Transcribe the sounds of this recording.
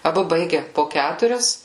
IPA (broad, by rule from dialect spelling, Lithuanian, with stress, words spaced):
ɐˈbʊ ˈbɐɪɡʲɛ poː ˈkʲætʊrʲɛs